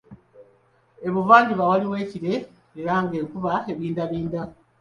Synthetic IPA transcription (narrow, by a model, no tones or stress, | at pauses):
e̞βuvaːɲɟiβawaliwe̞ːciɾe̞ | eɾaŋɡe̞ːŋkuβae̞βiːndaβiːnda